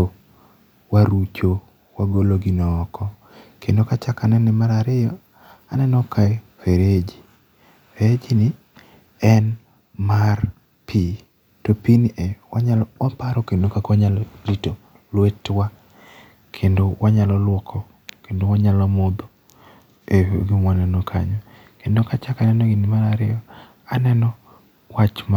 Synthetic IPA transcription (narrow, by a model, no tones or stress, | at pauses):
o | waɾut͡ʃo | waɡoloɡinɔːkʰɔ | kʰendokat͡ʃakanɛnɛmaɾaɾɪjɔ | a̰nɛnɔkʰaɛweɾed͡ʒi | eɾed͡ʒinɪ | ɛn | mar | pʰi | topiniʔɛwaɲalɔɔpaɾɔkendokakaɲalɔdito | lwetwa | kʰendowaɲalɔlwɔkʰɔ | kendowaɲalɔmod̪o | eɦo̰ɡimwanɛnɔkʰa̰ɲɔ | kendokat͡ʃakanɛnɔɡinimaɾaɾɪjɔ | anɛnɔ | wat͡ʃm